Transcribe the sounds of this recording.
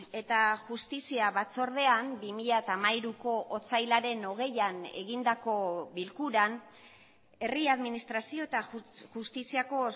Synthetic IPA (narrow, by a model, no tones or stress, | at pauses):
e̞t̪aʝust̪isiaβat͡so̞ɾð̞e̞ambimiʎat̪amajɾuko̞ʔot͡sajlaɾe̞no̞ɣ̞e̞jane̞̰ɣind̪ako̞βilkuɾan | e̞riaðminist̪ɾasio̞et̪aʝust̪isiako̞